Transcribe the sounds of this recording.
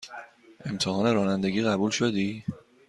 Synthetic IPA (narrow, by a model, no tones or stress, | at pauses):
ʔe̞mt̪ʰeɦɒːne̞ɾɒːnænd̪e̞ɡiːɣæbulʃod̪iː